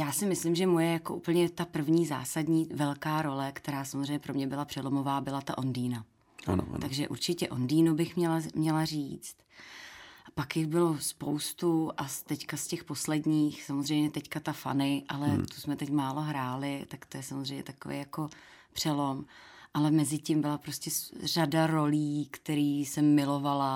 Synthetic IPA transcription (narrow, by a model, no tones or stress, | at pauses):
jaːsɪmɪslɪmʒɛmojɛjakoʔṵːpl̩ɲɛt̪apr̩vɲiːza̰ːsadɲiːvɛlkaːɾo̞lɛkt̪ɛɾaːsamozɾrejɲɛpɾo̞mɲɛbɪlapr̝̥ɛlo̞mo̞vaːbɪlat̪aʔondiːna | a̰n̰t̪aɡʒɛʔṵɾt͡ʃɪcɛʔo̞̰ndiːnubɪxmɲɛlamɲɛlariːt͡st̪ | pakjɪxbɪlo̞spo̞wst̪uʔast̪ɛckascɛxpo̞slɛdɲiːxsamozrɛjmɲɛt̪ɛckat̪afa̰nɪʔalɛt̪u̥smɛt̪ɛcmaːlo̞ɦɾaːlɪt̪akt̪o̞jɛsamozr̝ejmɲɛ̰t̪akovḛjako̞ | pr̝̥ɛlo̞mʔalɛmɛzɪcimbɪlapɾoscɛsr̝adaɾo̞liːkt̪ɛɾiːsɛmːɪlo̞vala